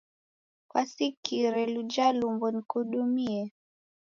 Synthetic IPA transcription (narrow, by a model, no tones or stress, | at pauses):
kwasikiɾɛlud͡ʒalumbɔnikuɗumiɛ